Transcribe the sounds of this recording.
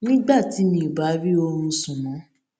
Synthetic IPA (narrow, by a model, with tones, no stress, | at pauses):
nĩ˦ɡ͡ba˦˨ti˨˦nĩ˧˦i˨ba˨˦ɾi˦o˧ɾ̃ũ˧sũ˨mɔ̃˨˦